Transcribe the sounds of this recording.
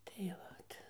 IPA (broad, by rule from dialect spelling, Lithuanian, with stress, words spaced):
tɐɪ ˈʋɐt